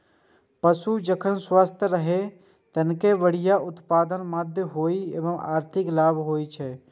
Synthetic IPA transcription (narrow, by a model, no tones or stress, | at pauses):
pəsud͡ʒəkʰənswaːst̪ʰjəɾəɦe | t̪ənkeʋəɽ̤ɪjaʔʊt̪paːd̪ənmaːd̪ʱjəɦoːiḛːʋəma̰ːɾt̪ʰɪklaːbɦoːit͡ʃʰɛ